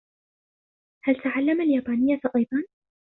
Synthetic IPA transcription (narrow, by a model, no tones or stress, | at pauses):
halt̪aʕalːamaljaːbaːnɪjːaʔɑjd̪ˤɑn